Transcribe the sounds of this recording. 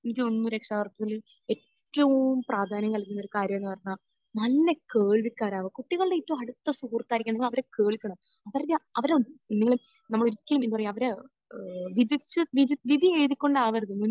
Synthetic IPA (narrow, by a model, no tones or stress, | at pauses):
enikʲːɨo̞nːuɾekʂaːʋɐrt̪ːɐt̪ːil | eːtːɐʋumpraːd̪ʱaːnɐmkɐlkiːunɐoɾukaːɾjɐmaːɳːɨpɐrɐɲːa | nɐlːe̞keːɭʋikʲːaːɾaːʋɨkuʈːiɣɐɭɨɽeitːɐumɐɽut̪ːɐsuɦuːrt̪ːaːiɾikʲːɐɳːɐeɡimɐʋɐɾeke̞ːɭikʲːɐɳɐmɐʋɐɾɐðɐʋɐɾeinːiŋːɐɭu | nɐmːɐɭoɾikʲːɐlumenːupɐrɐjɐʋɐɾe | ʋid̪it͡ɕːɨʋiiʋid̪ʱieːðikʲːo̞ɳɖaːʋɐɾðunːun